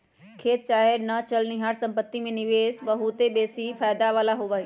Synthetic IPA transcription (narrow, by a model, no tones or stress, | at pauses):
kʰeːt̪̚t͡ʃaːɦenət͡ʃəlniɦaɾsə̃mpət̪ːimẽnɪʋeːsbəɦut̪ebeːsifʰaːjd̪aʋaːlaɦoʋəɦi